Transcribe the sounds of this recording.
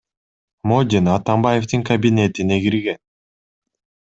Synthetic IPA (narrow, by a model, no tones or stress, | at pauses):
mod̪ʲinɑt̪ambaje̞ft̪ɯŋkɐbʲinʲe̞t̪ineɡiɾɡe̞n